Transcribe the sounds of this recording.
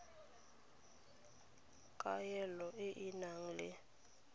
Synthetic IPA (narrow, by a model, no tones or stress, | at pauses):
kʼajɛlɔʔeʔinaŋ̩lɛ